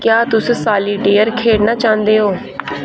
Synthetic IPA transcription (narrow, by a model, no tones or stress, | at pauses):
kjaːt̪ʊssaːliːɖeːəɾkʰeːɽnaːt͡ʃãːnd̪eːɦoː